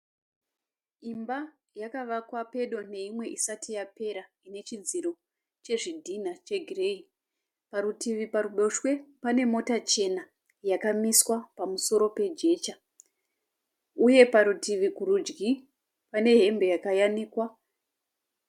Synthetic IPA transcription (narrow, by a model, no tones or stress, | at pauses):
imba | jakaʋakwape̞ɗone̞imwe̞ʔisatijape̞ɾa | ine̞t͡ʃid͡ziɾo̞ | t͡ʃe̞ʐidʱin̤at͡ʃe̞ɡʱire̞i | paɾutʰiʋipaɾuɗo̞ʃwe̞pane̞mo̞tat͡ʃe̞na | jakamiswapamuso̞ɾo̞pe̞d͡ʒe̞ːt͡ʃa | uje̞paɾutiʋikuɾud͡ʒɡi | pane̞ɦe̞mbe̞jakajaniːkwa